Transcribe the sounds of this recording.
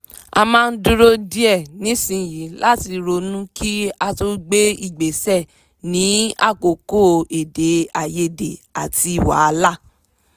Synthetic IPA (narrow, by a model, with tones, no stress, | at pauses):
a̰˧mãː˦˧n̩˦dũ˦ɾo˦di˦ɛ˦˨nĩ˨˦sĩ˧˨ji˨˦la˦ti˧ɾo˧˦nũ˦ki˦a˧to˦ɡ͡be˦i˦˨ɡ͡be˨sɛ˦˨ | nĩ˨˦a̰˦˨ko˨ko˦˨e˨de˨˦a˨je˧˦de˨a˨ti˧˨wa̰˨˦a˧la˦˨